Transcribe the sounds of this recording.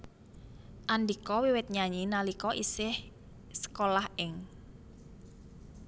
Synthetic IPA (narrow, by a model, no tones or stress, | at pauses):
ʔandikɔwiwɪt̪̚ɲaɲinalikɔʔisɪh | sə̥kolahɪŋ